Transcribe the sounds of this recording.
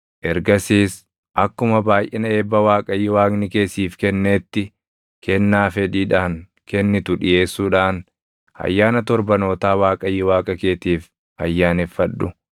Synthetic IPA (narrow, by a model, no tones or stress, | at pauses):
ʔɛɾɡɐsiːs | ʔɐkːʊmɐbaːjʔɛnɐeːbːɐwaːkʼɐjːɪwaːɡnɪke̞ːsiːfkɛnːeːt̪ːɪ | kʰɛnːaːfɛᶑiːᶑaːŋ | kɛnːɪt̪ʊᶑɪje̞ːsːuːᶑaːn | ɐ̰jːaːnɐt̪ɔɾbɐno̞ːt̪aːwaːkʼɐjːɪwaːkʼɐke̞ːt̪iːf | ɐ̰jːaːnɛfːɐᶑːʊ